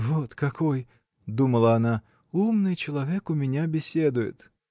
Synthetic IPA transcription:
vot̪kɐkoj | d̪uməlˠəːna | umnɨjt͡ɕɪlˠɐvʲekʊmʲɪnʲabʲɪsʲed̪ʊjɪ̰t̪

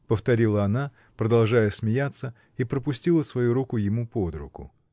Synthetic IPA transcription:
pəft̪ɐɾʲilˠəɐna | pɾəd̪ɐlˠʐajəsʲmʲɪjat̪sːə | ipɾəpʊsʲtʲilˠəsvɐjuɾukʊjɪmupod̪ɾʊ̰kʊ̰

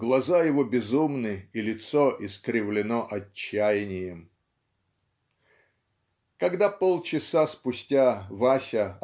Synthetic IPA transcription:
ɡlˠɐzajɪvobʲɪzumnɨilʲɪt̪soʔɪskɾʲɪvlʲɪnoʔɐt͡ɕːæjɪnʲɪjəm | kɐɡd̪apolˠt͡ɕɪsaspʊsʲtʲavasʲə

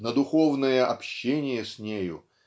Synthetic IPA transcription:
nəd̪ʊxovnəjəʔɐpɕːenʲɪjəsʲnʲejʊ̰

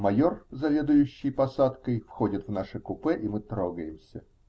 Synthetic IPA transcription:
mɐjo̞rzɐvʲe̞d̪ʊjʉɕːɪjpɐsat̪kəjfxodʲɪt̪vnaʂɨkʊpɛʔimɨt̪ɾoɡəjɪmsʲə̰

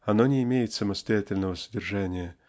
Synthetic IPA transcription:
ɐnonʲɪɪmʲejɪt̪sɐməst̪ɐjatʲɪlʲnəvəsədʲɪrʐanʲɪjə

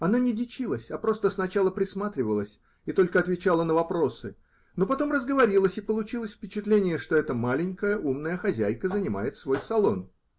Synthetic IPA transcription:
ɐnanʲɪdʲɪt͡ɕilˠəsʲapɾo̞st̪əsnɐt͡ɕalˠəpɾʲɪsmat̪ɾʲɪvəlˠəsʲ | ɪt̪o̞lʲkəɐt̪vʲɪt͡ɕalˠənəvɐpɾo̞sɨ | no̞pɐt̪o̞mrəzɡəvɐɾʲilˠəsʲɪpəlˠʊt͡ɕilˠəsʲfʲpʲɪt͡ɕɪt̪lʲenʲɪjəʂt̪o̞ɛt̪əmalʲɪnʲkəjəʔumnəjəxɐzʲæjkəzənʲɪma̰jɪt̪svo̞jsɐlˠo̞n

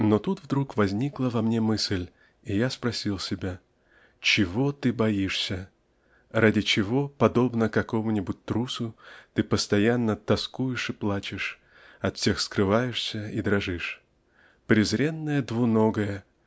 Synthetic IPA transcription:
not̪ut̪vd̪ɾukvɐzʲnʲiklˠəvɐmnʲe̞mɨsʲlʲ | ijaspɾɐsʲilˠsʲɪbʲa | t͡ɕɪvo̞t̪ɨbɐjiʂsʲə | radʲɪt͡ɕɪvo̞pɐd̪o̞bnəkɐko̞mʊnʲɪbʊt̚ʲt̪ɾusʊt̪ɨpəst̪ɐjanːət̪ɐskujɪʂɨplˠat͡ɕɪʂ | ɐt̪fʲsʲe̞xskɾɨvajɪʂsʲəid̪ɾɐʐɨʂ | pɾʲɪzɾʲe̞nːəjəd̪vʊno̞ɡəjə

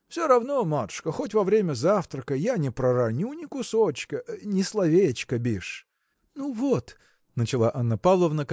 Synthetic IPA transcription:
fsʲoɾɐvnomat̪ʊ̥ʂkəxotʲvɐvɾʲemʲəzaft̪ɾəkəjanʲɪpɾəɾɐnʲunʲɪkʊsot͡ɕkənʲɪslˠɐvʲet͡ɕkəbʲiʂ | nuvot̪ | nət͡ɕɪlˠaʔɐnːəpavlˠəvnək

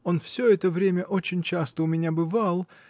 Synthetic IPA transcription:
o̞nfsʲɵɛt̪əvɾʲemʲəʔo̞t͡ɕɪnʲt͡ɕast̪əʊmʲɪnʲabɨvalˠ

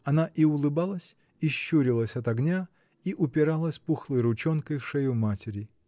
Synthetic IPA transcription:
ɐnaʔiʊlˠɨbalˠəsʲ | iɕːuɾʲɪlˠəsʲɐt̪ɐɡnʲa | iʔʊpʲɪɾalˠəsʲpuxlˠəjɾʊt͡ɕonkəjfʂɛjʊmatʲɪɾʲɪ

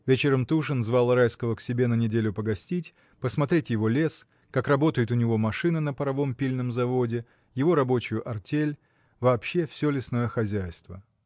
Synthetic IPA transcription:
vʲet͡ɕɪɾəmt̪uʂɨnzvɑlˠrajskəvəksʲɪbʲe̞nənʲɪdʲelʲʊpəɡɐsʲtʲitʲ | pəsmɐt̪ɾʲetʲjɪvo̞lʲe̞s | kakrɐbo̞t̪əjɪt̪ʊnʲɪvo̞mɐʂɨnɨnəpəɾɐvo̞mpʲilʲnəmzɐvo̞dʲɪ | jɪvo̞ɾɐbo̞t͡ɕʊjʊʔɐrtʲelʲ | vɐːpɕːe̞fsʲɵlʲɪsno̞jəxɐzʲæjst̪və̰

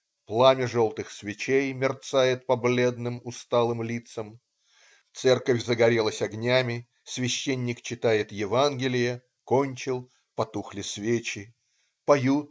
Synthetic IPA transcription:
plˠamʲɪʐolˠt̪ɨxsvʲɪt͡ɕejmʲɪrt̪sajɪt̪̚pɐblʲe̞d̪nɨmʊst̪alˠɨmlʲit̪səm | t̪sɛrkəfʲzəɡɐɾʲelˠəsʲɐɡnʲamʲɪ | svʲɪɕːenʲːɪkt͡ɕɪt̪ajɪt̪jɪvanɡʲɪlʲɪjə | konʲt͡ɕɪlˠ | pɐt̪uxlʲɪsvʲet͡ɕɪ | pɐju

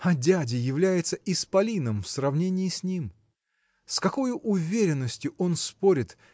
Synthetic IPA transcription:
ɐdʲædʲɪjɪvlʲæjɪt̪səʔɪspɐlʲinəmfsrɐvnʲenʲɪɪsʲnʲim | skɐko̞jʊʔʊvʲeɾʲɪnːəsʲtʲjʊʔo̞nspo̞ɾʲɪt̪

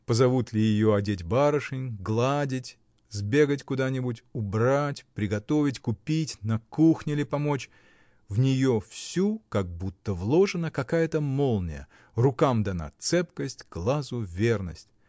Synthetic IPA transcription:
pəzɐvut̪lʲɪjɪjoɐdʲetʲbaɾəʂɨnʲɡlˠadʲɪtʲ | zʲbʲe̞ɡətʲkʊd̪anʲɪbʊtʲʊbɾatʲpɾʲɪɡɐt̪o̞vʲɪtʲkʊpʲitʲnɐkuxnʲɪlʲɪpɐmo̞t͡ɕ | vnʲɪjofsʲukaɡ̚but̪ːəvlˠo̞ʐɨnəkɐkajət̪əmolˠnʲɪ̰jə̰ | rʊkamd̪ɐna̰t̪sɛpkəsʲtʲɡ̥lˠazʊvʲe̞rnəsʲtʲ

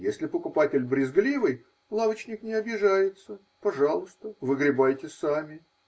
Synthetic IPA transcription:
jesʲlʲɪpəkʊpatʲɪlʲbɾʲɪzɡlʲivɨj | lˠavət͡ɕnʲɪknʲɪɐbʲɪʐajɪt̪sə | pɐʐɑlˠʊst̪əvɨɡɾʲɪbajtʲɪsamʲɪ

